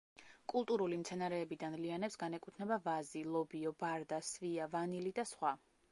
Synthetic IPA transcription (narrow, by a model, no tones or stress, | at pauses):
kʼulˠt̪ʼuɾulimt̪sʰɛnaɾɛːbid̪anlianɛpsɡanɛkʼut̪ʰnɛbavazilˠɔbiɔbaɾd̪asviavanilid̪asχwa